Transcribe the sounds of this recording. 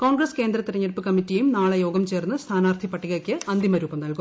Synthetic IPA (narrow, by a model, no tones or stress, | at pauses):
ko̞ːɳɡrɐske̞ːnd̪ɾɐt̪ːiɾɐɲːɐɾpːɨkɐmːitːijejumnaːɭɐjo̞ːɡɐmt͡ɕe̞ːrnːɨst̪ʰaːnaːrt̪ʰipːɐʈːiɣɐrkʲːɨɐnd̪imɐɾuːbɐmnɐlkum